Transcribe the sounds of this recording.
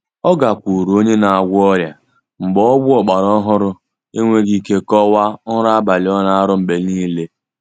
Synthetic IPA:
ɔ˦ɡa˨kʷu˨ɾu˨o˦ɲe˦na˨a˨ɡʷɔ˦ɾja˨ | ŋ͡m̩˨ɡ͡bɔ˦ɔ˦bʊ˦ɔ˨k͡pa˨ɾɔ˦ɦʊ˦ɾʊ˦ | e˦ŋʷe˦ɡi˦ke˦kɔ˦wa˦ʊ˦ɾa˦a˦ba˨lɪ˨˦ɔ˦na˦a˦ɾʊ˦m̩˨ɡ͡be˨niː˦le˦

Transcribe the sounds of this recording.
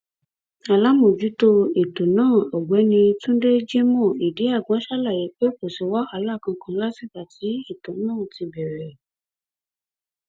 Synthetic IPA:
a˨la˨˦mõ˨d͡ʒu˨˦to˧e˨to˨nãː˦˨ɔ˨ɡ͡bɛ˨˦nĩ˧tũ˦de˦d͡ʒe˦mɔ̃˦˨i˨de˨˦a˦˨ɡã˨˦ʃa˦la˦˨je˨˦k͡pe˦k͡po˨se˨wa˦a˨˦la˦˨kã˧kʰã˧˦la˦si˦˨ka˨ti˨˦e˦˨to˨nãː˦˨ti˧bɛ˨ɾɛ˨

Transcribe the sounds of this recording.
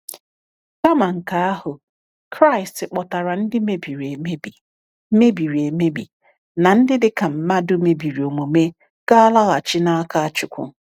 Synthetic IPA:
ka˦ma˨ŋ̩˨ka˨˦a˦hʊ˨ | kɾa˦ɪ˨stɪ˨k͡pɔ˨ta˨ɾa˨n̩˦dɪ˦me˦bi˨ɾe˨me˦bi˨˦ | me˦bi˨ɾi˨e˨me˦bḭ˨ | na˨n̩˦dɪ˦dɪ˦ka˨m̩˨ma˦dʊ˦me˨bi˨ɾi˨o˨mo˨me˦ | ka˦a˦la˦ɣa˨t͡ʃɪ˦na˦a˦ka˦a˦t͡ʃʊ˨kʷʊ̰˨

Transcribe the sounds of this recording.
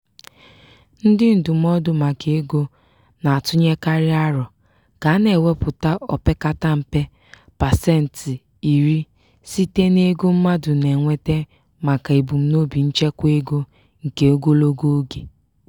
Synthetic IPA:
n̩˦dɪ˦n̩˨dʊ˨m̩˦ɔ˦dʊ˨ma˨ke˨e˦ɡo˦ | na˨a˨tʊ˦ɲe˦ka˦ɾɪ˦a˦ɾɔ˨ | ka˨˦ne˨we˦pʊ˨ta˦ɔ˨pe˦ka˦ta˦m̩˨pe˦ | pa˨se˦˨n̩˨tɪ˨ | i˨ɾi˦ | si˦te˦ne˦ɡo˦m̩˦ma˦dʊ˨ne˨ŋʷe˦te˦ | ma˨ka˨e˨bu˨m̩˦no˦bi˨n̩˦t͡ʃe˦kʷe˦ɡo˦ | ŋ̩˨ke˦o˦ɡo˦lo˦ɡo˦o˦ɡe˨

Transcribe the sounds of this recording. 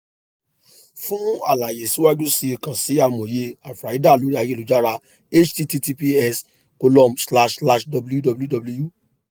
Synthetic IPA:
fũ˦a̰˨la˨je˨si˨˦wa˦d͡ʒũ˦si˦i˧kã˨si˨˦a˦˨mõ˨je˧˦a˨fɾa˨i˨˦da˦˨lo˨˦ɾi˦a˧je˦lo˨˦d͡ʒa˦ɾa˧ | e˦t͡ʃti˧ti˧ti˧pi˧ɛ˧s | ko˧lɔ˦msla˧ʃla˧ʃdɔ˨˧bu˦ju˦dɔ˨˧bu˦ju˦dɔ˧blu˦ju˦˨

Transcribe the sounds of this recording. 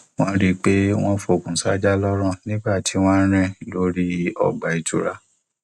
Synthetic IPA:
w̃ɔ̃˦ɾi˦k͡pe˦w̃ɔ̃˦fo˧˨kũ˨sa˦d͡ʒa˦lɔ˦ɾ̃ã˦˨nĩ˦ɡ͡ba˦˨ti˨˦w̃ɔ̃˦ɾ̃ɛ̃˦lo˨˦ɾi˦ɔ̰˨ɡ͡ba˨i˨tʰu˨ɾa˦

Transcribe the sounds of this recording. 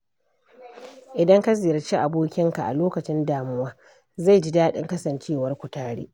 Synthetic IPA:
ʔɪ˨dɐ˦ŋka˦zɪː˨jɐ˨rt͡ʃi˦ʔa˨boː˦kʲɪ˦ŋka˨ʔa̰˨loː˦kɐ˨t͡ʃɪ˦ndaː˨mʊ˦waː˦ | za˦˨jd͡ʒi˦daː˦ɗɪ̰˦ŋkɐ˦sɐ˨nt͡ʃeː˦˨wɐ˦rkʷʊ˨taː˦ɽḭː˦

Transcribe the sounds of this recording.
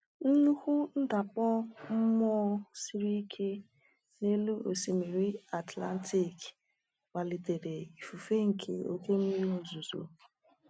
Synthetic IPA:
n̩˦ɲu˦hʊ˦n̩˦da˨k͡pɔ˦m̩˦mɔː˦si˦ɾi˦kʰe˦ | ne˦lu˦o̰˨si˨me˨ɾi˦a˨tla̰˦n˦tʰi˦˨k | wa˨li˨te˨ɾde˨i˨fu˨fe˦ŋ̩˨kʰḛ˨o̰˦ke˦mi˦ɾi˦o˨zu˨zo̰˨

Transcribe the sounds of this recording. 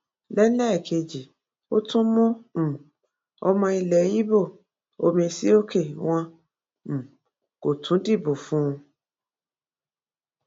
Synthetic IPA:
lɛ˦lɛ˦ɛ˦˨kʰe˧d͡ʒi˨ | o˦tũ˦mũ˦m̩̃˨ | ɔ˧mɔ̃˧i˧lɛ˨˦ji˦bo˦˨ | o˧mĩ˧si˦o˦ke˦˨w̃ɔ̃˦˨ | ko˨tʰũ˨˦di˦˨bo˨fũ˦˧

